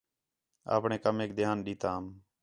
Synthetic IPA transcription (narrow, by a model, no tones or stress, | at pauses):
a̰ːpɳẽːkəmeːk̚d̪ʱɪjaːnɗiːt̪ãːm